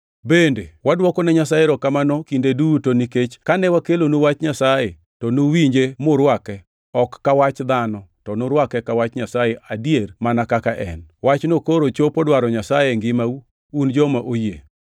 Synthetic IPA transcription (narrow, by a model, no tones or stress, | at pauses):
bendewadwɔkɔnɛɲasajeɾɔkamanɔkindedutoniket͡ʃkanɛwakelonowat͡ʃɲasaje | tɔnowiɲd͡ʒemʊɾwakɛ | ɔkːawat͡ʃd̪anɔtɔnoɾwakɛkawat͡ʃɲasajeʔadiermanakakaʔɛ̰nwat͡ʃnokoɾot͡ʃopɔdwaɾɔɲasajeŋɡɪmau | und͡ʒɔmaʔojḛ